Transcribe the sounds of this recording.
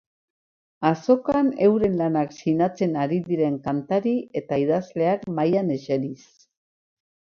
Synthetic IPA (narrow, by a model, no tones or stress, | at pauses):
aso̞kane̞wɾe̞nlanaksinat͡se̞naɾiðiɾe̞ŋkant̪aɾie̞t̪aiðazle̞akmajane̞ʃeɾis